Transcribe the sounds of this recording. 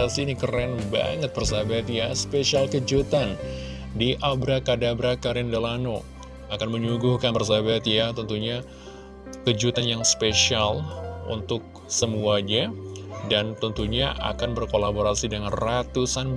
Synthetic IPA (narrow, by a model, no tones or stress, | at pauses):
asiːnikərɛnba̰ŋət̪̚bərsabat̪jaspeʃialkəd͡ʒut̪an | diʔabɾakadabɾakaɾɛndalano | akanməɲuɡuhkanbərsabat̪jat̪ənt̪uɲa | kəd͡ʒut̪anjaŋspeʃialṵnt̪ʊk̚ | səmuaɲadant̪ənt̪uɲaʔa̰kanbərkolaboɾasidəŋanrat̪usan